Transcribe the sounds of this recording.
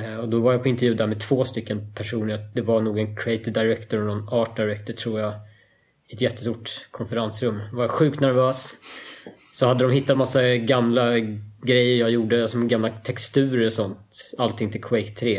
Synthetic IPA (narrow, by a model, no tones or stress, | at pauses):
ɔd̪ɔvaɾjapʰɔɪnt̪ɛɾvjʉːd̪aamɛt̪ʰvoːst̪ʏkːənpʰæʂuːnəɾad̪ɛvaɳuːɡɛnkʰɾɪɛɪt̪ɪd̪aɪɾɛkt̪ɔɾɔnɔnɑːʈ̚daɪɾɛk̚t̪əʈʰɾuːɾja | ɪɛt̪jɛt̪ːəst̪uːʈkʰɔnfəɾansɾɵmːvaɾjaɧʉ̟ːkt̪næɾvøːs | sɔhad̪ːəd̪ɔmhɦɪt̪ːat̪masːaɡamlaɡɾɛjːəɾjajuːɖəalsɔɡamlat̪ʰɛkst̪ʉ̟ːɾəɾɔsɔnt̪alt̪ʰːɪŋt̪ʰɪlkʰʊɛɪt̪ʰːɾeː